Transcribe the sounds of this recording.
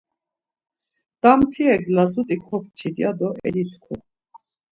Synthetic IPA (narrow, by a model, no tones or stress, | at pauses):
d̪̥amt̪ʰiɛɡlazut̪ʼikʰɔp̚t͡ʃʰid̪iad̪ɔʔɛ̰lit̪ʰkʰṵ